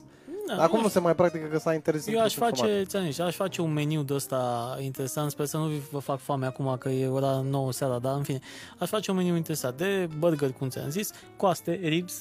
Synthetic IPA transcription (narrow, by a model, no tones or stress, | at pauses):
d̪aakumnusemajpɾak̚t̪ikəkəsaint̪eɾezjewaʃfat͡ʃe̞t̪ianziʃaʃʲfat͡ʃe̞unme̞niwd̪əst̪aint̪e̞ɾe̞sant̪speɾsənuvəfakfameakumakəje̞wəɾano̞wəsaɾad̪aɨnfineaʃfat͡ʃeunme̞niwint̪e̞ɾe̞sant̪̚d̪e̞bərɡərʲkumt̪sija̰nzis | koast̪e̞ɾips